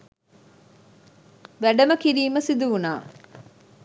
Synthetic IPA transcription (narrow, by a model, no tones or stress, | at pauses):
ʋæɖəməkiɾiːməsid̪uʋunaː